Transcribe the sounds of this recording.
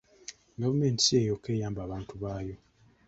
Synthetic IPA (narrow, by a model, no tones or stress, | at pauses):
ɡavume̞ntisejo̞ke̞ːjaːmbaːβaːntʰuβaːjo̞